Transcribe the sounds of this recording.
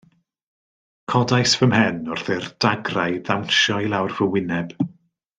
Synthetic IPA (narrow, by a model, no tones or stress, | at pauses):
kʰɔdajsvəmhɛnɔrθɪrd̥aɡrajðawnʃɔjlˠawrvəwɪnɛb̥